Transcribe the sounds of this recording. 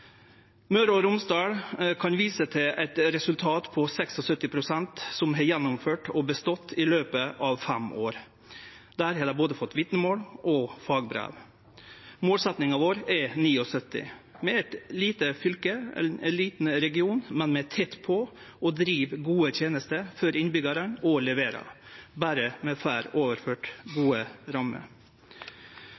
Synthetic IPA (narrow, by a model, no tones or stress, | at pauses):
mœɾɔɾʊmsd̪ɑːɽkʰɑnʋiːsət̪ʰɪlɛt̪ɾɛsʉlt̪ʰɑːt̪pʰɔsɛksɔsœt̪ːɪpʰɾʊsɛnt̪sɔmɦɛjɛnːʊmføːʈɔbəst̪ɔt̪ːɪløːpəʔɑʋfɛmoːɾ | d̪æɾhɑd̪əboːd̪əfɔt̪ːʋɪt̪nəmoːlʔɔfɑːɡbɾḛːʋ | moːlsɛt̪nɪŋɑʋoːɾɛniːɔsœt̪ːɪ̰mɛɛt̪liːt̪əfʏlkəɛ̰ɪnɛliːt̪n̩ɾɛɡɪuːnmɛnmɛt̪ʰɛt̪ːpʰɔ | ɔd̪ɾiːʋɡuːət̪ʰjeːnəst̪əɾfœɾɪnbʏɡɑɾənɔlɛʋeːɾɑ̰bæːɾəmɛfæːɾoːʋəɾføːʈɡuːəɾɑmə̰ɾ